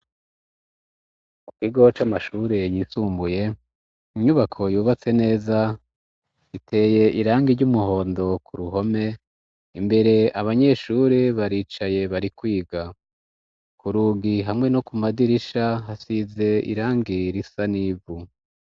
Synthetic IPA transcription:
mukiɡo̞t͡ʃamaʃuːɾe̞jisuːmbuje̞ | iɲuβakʰo̞juːβat͡se̞ne̞ːza | itʰe̞ːje̞ʔiɾaːŋɡiɾɟumuɦo̞ːndo̞kʰuɾuɦo̞me̞ | imbe̞ɾe̞aβaɲe̞ʃuɾeβaɾiːt͡ʃaje̞βaɾikwiːɡa | kuɾuːɡiɦamŋe̞no̞kumadiɾiʃaɦasize̞ḭɾaːŋɡiɾisaniːvu

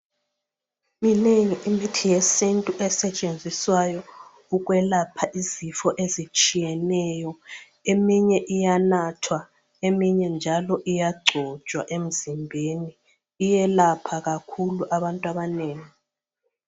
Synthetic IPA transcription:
mineŋiʔimitʰijesintʼuʔɛsɛt͡ʃʼend͡zʱiswajɔ | uɣwɛlapʰaʔizifɔʔezit͡ʃʼijɛnɛjɔ | emiɲɛʔijanatʰwa | emiɲɛnd͡ʒʱalɔʔijaɡ͡ǀʱɔ̥ʒ̥ʼʱwaʔem̩zimbʱeniː | jɛlapʰaɣakʰuluʔaβantʼwaβaneːŋi

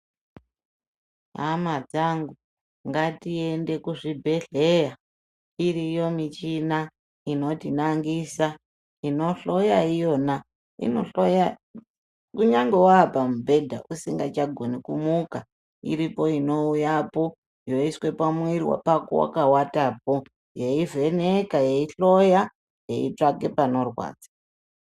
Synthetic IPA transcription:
ɦamad͡zaŋɡu | ŋɡatie̞nde̞kuʐibʱe̞ɮe̞ja | irijo̞mit͡ʃina | ino̞tinaŋɡisa | ino̞ɬo̞jaijo̞na | ḭnoɬoja | kuɲaŋɡe̞waːpamubʱe̞dʱaʔusiŋɡat͡ʃaɡʱo̞nikumuka | ḭɾipo̞ino̞ujapo̞ | jo̞iswe̞pamwirwa̰pako̰wa̰kawatapo̞ | je̞ive̞nekaje̞iɬo̞ja | jḛḭt͡ʂake̞pano̞rwa̰ːd͡zḁ

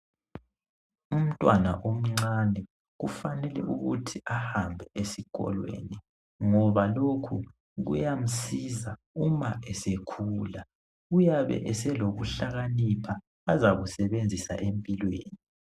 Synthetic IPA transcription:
um̩tʼwanaʔom̩ŋ͡ǀanɛ | ɣufanɛlɛ̰ʔuɣṵtʰiʔahambʱɛʔesiɣʼɔ̰lwḛni | ŋɔβalokʰu | ɣṵjam̩siza | umaʔɛsekʰuːla | ujaβɛ̰ʔɛsɛloɣuɬaɣanipʰaː | zaɣusɛβend͡zʱisa̰ʔempʼilweːni

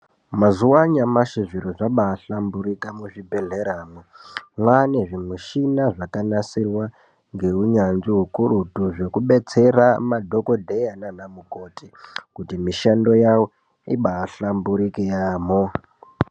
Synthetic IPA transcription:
mazuwaɲamaʃiʐiɾoʐaɓaːɬambuɾikamuʐibʱeɮeɾaːmomwane̞ʐimuʃinaʐakanasirwa | ŋɡe̞uɲanʐiɦukuɾutuʐe̞kuɓe̞t͡se̞ramadʱo̞ko̞dʱejananamuko̞tʰikutimiʃando̞jawo | iɓaːɬambuɾikejaːmo

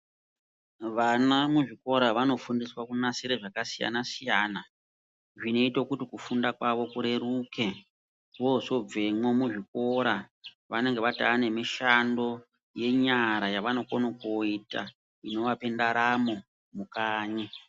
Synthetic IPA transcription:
ʋanamuʐiko̞ɾaʋano̞fundiswakunasiɾeʐakasija̰nasijana | ʐino̞itokutikufundakwaʋo̞kuɾe̞ɾuːke | ʋoso̞b͡vemwomuʐiko̞ɾa | ʋane̞ŋɡe̞ʋataːne̞miʃando̞ | je̞ɲaɾajaʋano̞konokoita̰ | ino̞ʋape̞ndaɾamo̞ | mukaːɲe

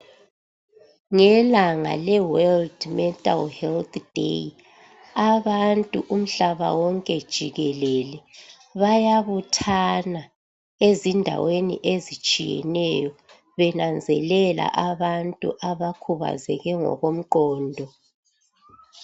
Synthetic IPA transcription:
ŋɛlaŋa̰lɛwɛldmɛtʼa̰lhɛlt̪ʰd̥ʱḛ | aβantʼuʔum̩ɬaβa̰wɔŋkʼɛd̥ʒ̥ʱiɣɛlɛlɛ | βajaβutʰana | ezindʱa̰wenḭʔezit͡ʃʼḭjɛ̰nɛjɔ | βɛnand͡zʱɛlɛla̰ʔaβantʼṵʔaβakʰuβa̰zɛ̰ɣɛŋɔ̰ɣom̩ǃɔːndʱɔ

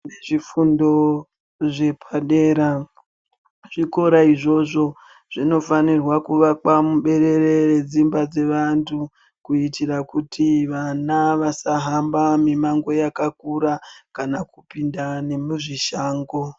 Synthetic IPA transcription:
neʐifundo̞ | ʐe̞pʰaɗe̞ːɾa | ʐ̥iko̞ɾaiʐo̞ʐo̞ | ʐ̥ino̞fanirwakuʋakwamuɓe̞ɾe̞ɾe̞red͡zimbad͡ze̞ʋantʰu | kuitirakutʰiʋanaʋasaɦambamimaŋɡo̞jakakuɾakanakupindane̞muʐiʃaːŋɡo̞

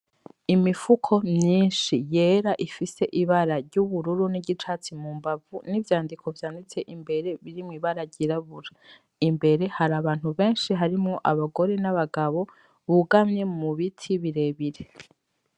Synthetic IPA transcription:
imifukʰo̞mɲiːnʃije̞ːɾaʔifise̞ʔiβaɾaɾɟuβuɾuɾuniɟit͡ʃaːt͡simuːmbavunivjaːndikʰo̞vjaːndit͡se̞ʔimbe̞ɾe̞βiɾimŋiβaɾaɾɟiɾaβuɾa | imbe̞ɾe̞haɾaβaːn̥huβe̞ːnʃiɦaɾimŋo̞ʔaβaɡo̞ɾe̞naβaɡaβo̞ | βuɡamɲe̞muβitʰiβiɾe̞βiɾe

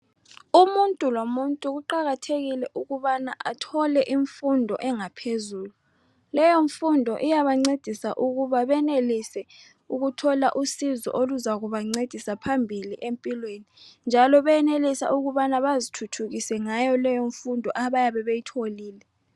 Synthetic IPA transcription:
umuntʼulomuntʼuɣuǃaɣatʰeɣilɛʔuɣuβanaʔa̰tʰɔlɛʔiɱfundʱɔ̰ʔɛŋapʰezuːlu | lɛjoɱfundʱɔ̰ʔijaβaŋ͡ǀed̥ʱisa̰ʔuɣuβaβɛnelisɛ | uɣutʰɔlaʔusizɔ̰ʔoluzaɣuβaŋ͡ǀed̥ʱisapʰambʱiliʔempʼilwenind͡ʒʱalɔβɛɛnelisa̰ʔuɣuβanaβazitʰutʰuɣisɛŋajɔlɛjoɱfundʱɔʔaβajaβɛβejitʰoliːlɛ

